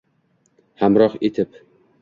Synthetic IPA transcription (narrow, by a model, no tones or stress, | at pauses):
hamɾɒqet̪ʰɪp